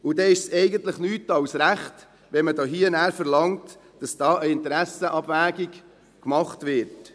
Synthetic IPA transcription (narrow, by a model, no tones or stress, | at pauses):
ʊd̥ɛɪʃsɛɪɡəntləχnyːtɑwsɾæχt | ʋɛmədoːɦiːənæːɾfəɾlɑŋt | d̥ɑsd̥ɑːʔəɪntɾæsəʔɑb̥væːɡik | kmɑχtʋɪɾt